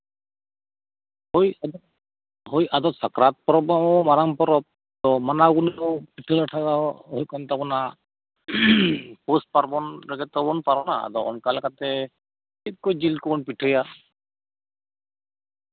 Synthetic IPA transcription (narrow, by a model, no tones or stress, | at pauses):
hojad̪ɔ | ɦojad̪ɔsakɾat̪̚pɔɾɔbaɔmaɾampɔɾɔp̚ | d̪ɔmanaɡunɔpiʈʰəlaʈʰaɡaɦojkɔnt̪abɔna | pos̚paɾbɔnɾɛɡɛt̪ɔbɔnpaɾɔnaa̰d̪ɔɔ̰nkalɛkat̪ɛ | kʰit̪̚kojd͡ʒilkɔbɔnpiʈʰəja